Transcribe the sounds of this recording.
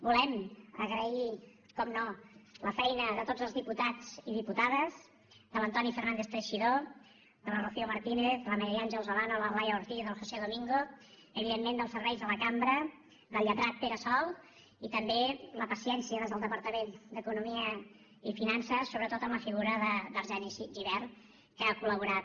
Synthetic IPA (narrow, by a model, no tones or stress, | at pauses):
bulɛmə̰ɣɾəi | kɔmnoləfɛjnəðət̪od͡zəlˠzðiput̪ad͡ziðiput̪aðəz | d̪ələnt̪ɔnifərnand̪eθt̪əʃiðo | d̪ələrofiuməɾt̪ineθləməɾianʒəwˠzəlanoləlajəuɾt̪iðəlˠxoseðomiŋɡo | əβiðemːend̪əlˠsəɾβɛjzðələkambɾə | d̪əlʎət̪ɾat̪̚peɾəsɔlˠ | it̪əmbeləpəsiɛnsiəðezðəlˠd̪əpəɾt̪əmend̪əkunumiə | ifinansəsoβɾət̪ot̪əmləfiɣuɾəðəðəɾʒɛniʒiβɛr | kəakuləβ̞uɾat̪